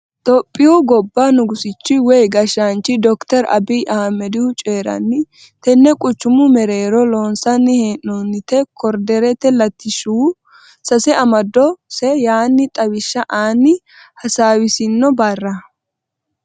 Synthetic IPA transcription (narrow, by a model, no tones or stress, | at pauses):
t̪ʼɔpʼːɪjɔɡɔbːanʊɡʊsɪt͡ʃːɪwɛjɡɐʃant͡ʃːɪd̪ɔkt̪ɛɾɐ̰biːʔɐhɐmːɛd̪ɪhʊt͡ʃʼeːɾɐ̰nːɪ | t̪ɛnːɛkʼʊt͡ʃːʊmʊmɛɾeːɾɔloːnsɐnːɪheːnːoːnːɪt̪ɛkʰɔɾd̪ɛɾɛt̪ːɛlɐt̪ːɪʃuː | sɐsɛɐmɐd̪ɔsɛjaːnːɪt̪ʼɐwɪʃːɐʔaːnːɪ | hɐsaːwɪsɪnːɔbɐrːɐ